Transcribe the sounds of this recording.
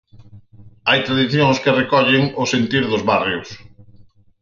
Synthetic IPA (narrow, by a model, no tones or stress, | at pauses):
ajt̪ɾaðiθjõŋskɪrekɔʎɪŋʊsent̪iɾðʊzβarjʊs